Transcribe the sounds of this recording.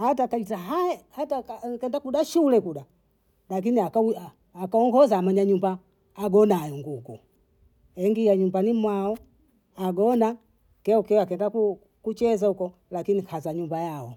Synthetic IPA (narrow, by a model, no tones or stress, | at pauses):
hatakaitaɦahatakakɛndakuɗaʃulɛkuɗa | lak̬iniakaː | kaɔŋɡɔzaːmaɲaɲumbaː | ɡɔnajɔŋɡuɡṵ | ɛŋɡiaɲumbanimwaɔ | aɡɔna | kɛɔkɛakɛndaku | kut͡ʃɛzahukɔ | lakinikʰazaɲumbajaɔ